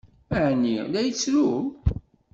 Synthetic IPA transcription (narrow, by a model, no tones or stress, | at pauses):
məʕnilæjət͡sːɾu